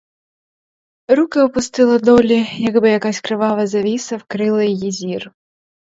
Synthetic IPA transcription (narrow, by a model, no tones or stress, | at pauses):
ɾukɐɔpust̪ɨlˠɐd̪ɔlʲijaɡbɨjakasʲkɾɨvavɐzavʲisɐwkɾɨlˠɐjjizʲir